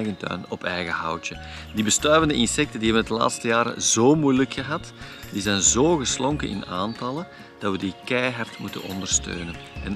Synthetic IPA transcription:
ɣəntœ̰ːnɔpɛjɣəhʌwtə | dibəstœːvəndəʔɪnsɛk̚təndiɦɛbəndəla̰ːtstəjaːɾə̰zoːmujləkxəɦɑt | d̥izɛjnzoːɣəslɔŋkəʔɪ̰naːntɑlˠən | d̥ɑtʋədikɛjɦartmutənɔ̰ndərstø̰ːnənɛn

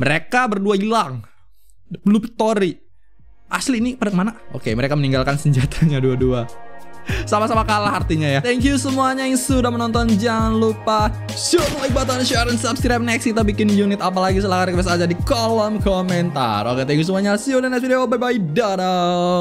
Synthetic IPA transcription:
məɾekabərduailaŋ | lupit̪oɾi | ʔasliːnipadamanao̰keməɾekaməniŋɡalkansəɲd͡ʒat̪ʰḁŋaduadua | samasamakalahart̪iɲajat̪ɛŋkjusəmuaɲajaŋsudahmənɔnt̪ɔnd͡ʒaŋanlupasomuaibat̪̬anʃɾənsabskɾap̚nɛkskit̪abikɪnjunɪt̪ap̬alaɡisəlakaɾkbas̬ad͡ʒadikɔlɔmkɔmɛnt̪a̰roket̪ɛŋkjusəmuaɲasiodanɛsidaababaidada

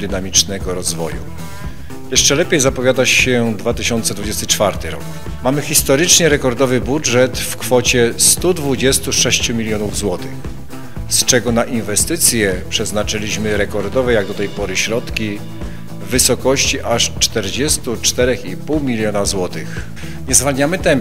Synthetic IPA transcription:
d̪ɘnamʲit͡ʂnɛɡɔɾɔzvɔ̰jṵ | jɛʂt͡ʂɛlɛpʲjejzapɔvʲjad̪at͡ɕːɛd̪vat̪ɘɕɔnt̪sɛd̪vud͡ʑest̪ɘt͡ʂfaɾt̪ɘɾɔ̰k | mamɘxʲist̪ɔɾɘt͡ʂɲɛɾɛkɔɾd̪ɔvɘbuʐɛt̪fkfɔt͡ɕɛst̪ud̪vud͡ʑɛst̪uʂɛɕt͡ɕumʲilʲjɔnuvzwɔt̪ɘx | st͡ʂɛɡɔnaʔinvɛst̪ɘt̪sʲjɛpʂɛznat͡ʂɘlʲiɕmɘɾɛkɔɾd̪ɔvɛjaɡd̪ɔt̪ɛjpɔɾɘɕɾɔt̪kʲiː | ɘsɔkɔɕt͡ɕiʔaʂt͡ʂt̪ɛɾd͡ʑɛst̪ut͡ʂt̪ɛɾɛxipuwmʲilʲjɔnazwɔt̪ɘx | ɲɛzvalɲamɘt̪ɛm

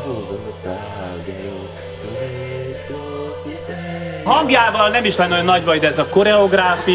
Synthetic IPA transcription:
ɡ | ɦɒŋɡjaːvɒlnɛmiʃlɛnːojnːɒɟvɒjd̪ɛːzɒko̞ɾɛoɡɾaːfi

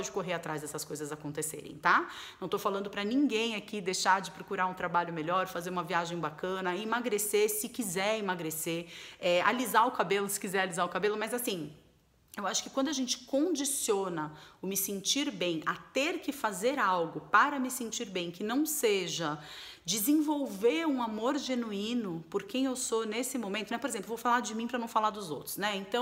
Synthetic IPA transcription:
d͡ʒɪkoɦeɾat̪ɾazd̪ɛsɐskojzɐzakõnt̪esḛɾḛ̃j̃t̪anɐ̃w̃t̪owfalɐ̃nd̪ʊpɾɐnĩŋɡẽj̃akid̪ejʃaɾd͡ʒɪpɾokuɾaũt̪ɾabaʎʊmeʎɔɾfazeɾũmɐviaʒẽj̃bakɐ̃nɐimaɡɾesesɪkizɛɾimaɡɾeseɛa̰lizaʊkabelʊsɪ̥kizɛɾalizaʊkabelʊmɐzasĩ | ewaʃʊ̥kɪkwɐ̃nd̪ʊaʒẽnt͡ʃɪ̥kõd͡ʒisionɐʊmɪsẽnt͡ʃiɾbẽj̃ɐt̪eɾkɪfazeɾawɡʊpaɾɐmɪsẽnt͡ʃiɾbẽj̃kɪnɐ̃w̃seʒɐd͡ʒɪzẽvowveɾũamoɾʒenuĩnʊpoɾkẽj̃ewsonesɪmõmẽnt̪ʊnɛpoɾezẽmplevowfalaɾd͡ʒɪmĩpɾɐnɐ̃w̃falaɾd̪ʊzowt̪ɾʊ̥snɛẽnt̪ɐ̃w̃

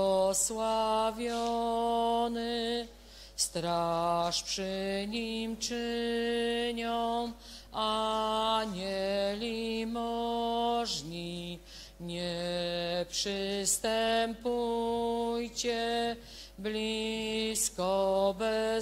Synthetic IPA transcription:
ɔswavʲjɔɔ | nɘ | st̪ɾaʂpʂɘɲimt͡ʂɘ | ɲɔw̃ | a | ɲɛlʲimɔ | ʐɲi | ɲɛ | pʂɘst̪ɛmpu | jt͡ɕɛ | blʲi | skɔbɛ

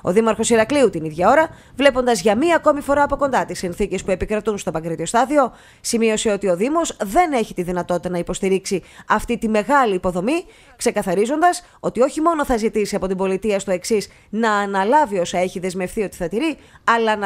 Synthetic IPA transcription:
oðimɐɾxo̞siɾɐkliut̪iniðʝɐo̞ɾɐ | vle̞po̞nd̪ɐzʝɐmiɐːko̞mifo̞ɾɐːpo̞ko̞nd̪ɐt̪isinθice̞spue̞pikɾɐt̪unst̪o̞pɐkɾit̪io̞st̪ɐðio̞ | simio̞se̞o̞t̪io̞ðimo̞zðe̞ne̞çit̪iðinɐt̪o̞t̪i̥t̪ɐnɐipo̞st̪iɾiksiɐft̪it̪ime̞ɣɐliːpo̞ðo̞mi | kse̞kɐθɐɾizo̞nd̪ɐs | o̞t̪io̞çimo̞no̞θɐzit̪isiɐpo̞t̪imbo̞lit̪iɐst̪oe̞ksis | nɐːnɐlɐvio̞sɐe̞çiðe̞zme̞fθio̞t̪i̥θɐt̪iɾi | ɐlɐn

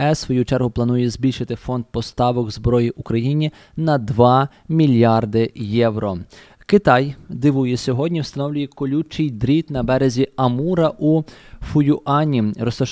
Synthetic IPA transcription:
ɛsʋɔjut͡ʃɛrɦʊplˠɐnujɛzʲbʲilʲʃɪt̪ɪfɔnd̪̚pɔst̪ɑʋɔɡzbɾɔjiʔukɾɐjinʲi | nɐd̪ʋɑ | mʲilʲjɑrd̪ɪjɛwɾɔ | kɪt̪ɑjd̪ɪʋujɛsʲɔɦɔdʲnʲiwst̪ɐnɔwlʲʊjɛkɔlʲut͡ʃɪjd̪ɾʲit̪nɐbɛɾezʲiɐmuɾɐʔufʊjʊʔɑnʲiɾɔst̪ɔ

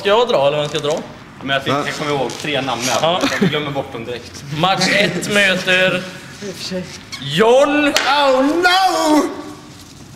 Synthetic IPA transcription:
kajɑd̪ɾɑːɛlːəɾvɛnskajɑːd̪ɾɑː | mɛnjat̪ʰɪjakʰɔmːəɾɪhoːɡt̪ʰɾeːnamːə̰ɑːaɪɡlœmːəɾbɔʈːɔmd̪ɪɾɛkt̪maʂɛt̪ːmøːt̪əɾ | jɔnawna

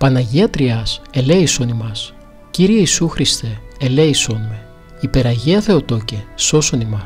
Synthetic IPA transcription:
pɐnɐʝiɐt̪ɾiɐse̞leiso̞nimɐs | ciɾieisuxɾist̪eːleiso̞nime | ipe̞ɾɐʝeɐθe̞o̞t̪o̞ceso̞so̞nimɐ

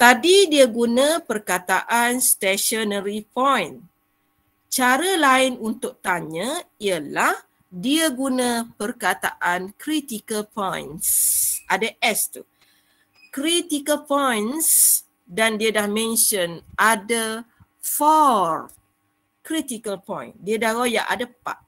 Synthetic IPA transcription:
t̪adidiəɡunə̃pərkat̪aʔanst̪ɛʃɔnəɾipɔjn | t͡ʃaɾəlaɪnunt̪ʊʔ̚t̪aɲə̃iəlah | diəɡunə̃pərkat̪a̰ʔankɾit̪ikəlpɔj̰nsʔadaʔɛst̪u | kɾit̪ikəlpɔjns | dandiədahmɛ̃nʃənada | fɔr | kɾit̪ikəlpɔ̰̃jndiədahɣoja̰ʔa̰dapa̰ʔ

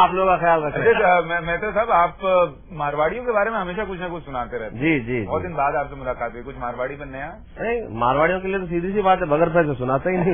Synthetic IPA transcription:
aːploːɡkaxɐjaːlɾɐk̪ʰeemmɛːt̪ɾasaːbaːp | maːɾʋaːɽijõkebaːɾemẽɦɐmeːʃakʊt͡ʃʰnakʊt͡ʃʰsʊnaːt̪eɾɛɦt̪d͡ʒiːd͡ʒiːbɔːt̪d̪ɪnbaːd̪aːpsemʊlaːkaːt̪̚uekʊt͡ʃʰmaːɾʋaːɽipɐnɐjã | nɐɦĩmaːɾʋaːɽijõkeliet̪osiːd̪ʱisibaːt̪ɦɛbɐɡəɾpʰɛs̬esʊnaːt̪aɦinɐɦĩ

